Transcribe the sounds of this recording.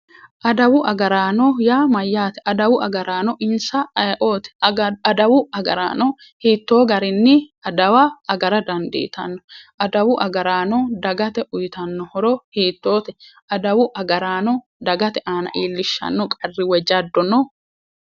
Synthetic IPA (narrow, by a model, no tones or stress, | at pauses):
ʔɐd̪ɐwʊʔɐɡɐɾaːnɔjaːmɐjːaːt̪ɛʔɐd̪ɐwʊɐɡɐɾaːnɔʔɪnsɐɐjʔo̞ːt̪ɛ̥ɐd̪ɐwʊɐɡɐɾa̰ːnɔ | hiːt̪ːo̞ːɡɐɾɪnːɪɐd̪ɐwɐːɡɐɾɐd̪ɐnd̪ɛ̰ʔɪt̪ɐnːɔʔɐd̪ɐwʊʔɐɡɐɾaːnɔd̪ɐɡɐt̪ɛʔʊjt̪ɐnːɔhɔɾɔhiːt̪ːo̞ːt̪ɛʔɐd̪ɐwʊʔɐɡɐɾaːnɔ | d̪ɐɡɐt̪ɛʔaːnɐ̰ʔiːlːɪʃːɐ̰nːɔkʼɐrːɪwɛd͡ʒɐd̪ːɔnɔ